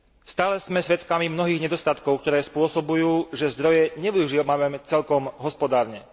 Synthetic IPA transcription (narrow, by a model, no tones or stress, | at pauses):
st̪aːlɛz̥mɛsʋɛt̪kamimnɔɦiːɣɲɛd̪ɔst̪at̪kɔʊkt̪ɔɾɛːspʊɔsɔbujuːʒɛzd̪ɾɔjɛɲɛʋiuʒiɔmamɛmɛt͡sɛlkɔmɦɔspɔd̪aːɾɲɛ